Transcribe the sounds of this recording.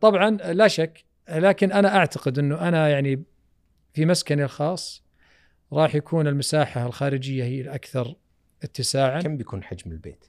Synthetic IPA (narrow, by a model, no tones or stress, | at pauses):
t̪ˤɑbʕɑnlaʃakː | laːkɪnʔanaʔaʕt̪aqɪd̪ʔɪnːʊʔanajaʕni | fimaskanilxɑːsˤː | ɾˤɑːħjakʰuːnɪlmasaːħaɪlxaːɾɪd͡ʒɪjːahɪjːalʔakθɑɾˤ | ʔɪt̪ːɪsaːʕaambjakuːnħad͡ʒmɪlbḛːt̪